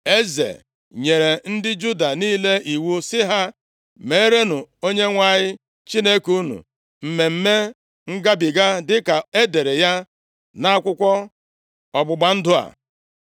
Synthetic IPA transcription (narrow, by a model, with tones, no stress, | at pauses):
e˦zḛ˨ | ɲe˨ɾe˨n̩˦dɪ˦d͡ʒu˦da˨niː˦le˦ʔi˨wu˦sɪ˦ɦa˦ | me˨˦ɾe˦nu˨o˦ɲe˦ŋʷa˦˨ɲɪ˦ | t͡ʃi˦ne˦ku˦nṵ˨ | m̩˨me˨m̩˦me˦ | ŋ̩˦ɡa˦bɪ˨ɡa˦dɪ˦ka˨e˦de˨ɾe˨ja˦ | na˦a˦kʷʊ˦kʷɔ˦ | ɔ˨ɡ͡bʊ˨ɡ͡ba˦n̩˦dʊ˦a̰˨